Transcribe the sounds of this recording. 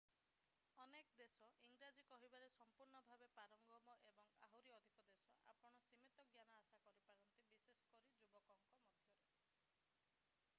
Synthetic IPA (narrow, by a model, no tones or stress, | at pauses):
ɔnekɔd̪esɔʔiŋɡɾad͡ʒikɔɦibaɾesɔmpuɾɳɔbʱabepaɾɔŋɡɔmɔʔebɔŋaɦuɾiɔd̪ʱikɔd̪esɔʔa̰pɔɽ̃ɔsimit̪ɔɡjanaasakɔɾipaɾɔnt̪ibisesɔ̥kɔɾid͡ʒubɔkɔŋkɔmɔd̪ʱjɔɾe